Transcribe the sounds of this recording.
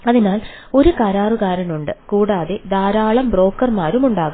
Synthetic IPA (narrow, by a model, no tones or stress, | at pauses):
ɐðinaːl | o̞ɾukaɾaːruɣaːɾɐnuɳɖɨkuːɽaːðed̪aːɾaːɭɐmbro̞ːkːɐrmaːɾumuɳɖaːɣu